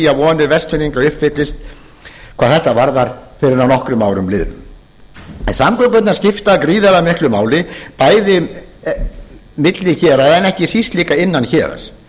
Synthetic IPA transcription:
javɔːnʏɾvɛrst̪ʰʏniŋkaʏhpfɪt̪lɪst̪ | kʰvaːðθɛht̪avaɾðaɾ̥fɪɾɪɾawnɔhkɾʏmawɾʏmlɪðɾʏ̰m | ɛ̰nsamkɔkœt̪naɾ̥scɪft̪akɾiːðalamɪhklʏmaːwlɪpaːjðɪ | mɪt̪lɪçɛːɾaɛnɛhcɪsist̪liːkaɪnːançɛːɾa̰s

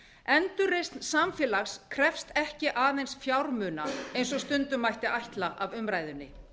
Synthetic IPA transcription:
ɛnt̪ʏrɪst̪nsamfjɛːlaxskʰɾɛfst̪ɛhcɪʔaːðejnsfjawɾmʏːna̰ejnsɔst̪ʏnt̪ʏmajht̪ɪʔajht̪laʔavʏmɾaːjðʏnːɪ̰

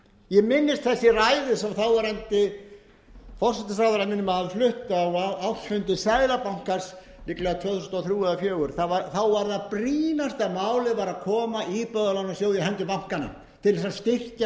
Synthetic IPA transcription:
jɛmɪnːɪst̪θɛsːɪraːjðɪsamθawvaɾɛnt̪ɪ | fɔr̥sɛt̪ɪsaːðaɾaðmɪnːʏmaðalflʏht̪awaawfʏnt̪ɪsaːjlapawŋ̥kaɾ̥s | nɪklɛɣat̪ʰvœːθusnt̪ɔθɾjuːɛðafjœːɣʏɾ̥θavaθawvaɾðapɾiːnast̪aðmaːwlɪðvaːɾakʰɔːmaʔipœðalanːasjowðjɪhɛnt̪ʏpam̥kana̰ | t̪ʰɪlɛsast̪ɪr̥ca

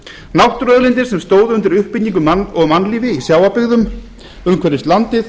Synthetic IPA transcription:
nawht̪ɾœðlɪnt̪̬ɪɾ̥sɛmst̪oːwðʏʏnt̪ɪɾʏhpɪt̪niŋkʏmaɔɣmanliːvɪisjaːwapɪɣðʏm | ʏmkʰvɛɾɪst̪lant̪ɪθ

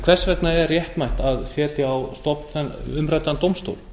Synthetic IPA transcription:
kʰvɛr̥svɛt̪naɛrrːjɛht̪majht̪aðsɛːt̪ɪawst̪ɔpnθɛnʏmɾajt̪ant̪owmst̪o̰ːwl

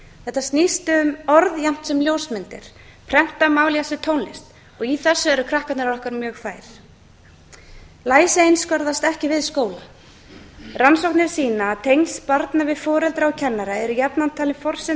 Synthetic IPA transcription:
θɛht̪ːast̪nist̪ʏʏmɔɾðjam̥t̪sɛmljoːwsmɪnt̪ɪ̰ɾ̥ | pʰɾɛm̥t̪amaːwliasɪt̪ʰoːwnlɪst̪ | ɔɣiθɛsːʏɛɾʏkʰɾahkat̪nɪɾaɾɔhkaɾmjœːɣfaːjɾ̥ | laːjsejnskœɾðast̪ɛhcɪvɪðskoːwla | ransɔwknɪɾ̥siːnaːt̪ʰejnspaɾt̪navɪðfɔːɾɛlt̪ɾaɔcʰɛnːaɾaɛɾʏjapnant̪ʰaːlɪfɔr̥sɛ

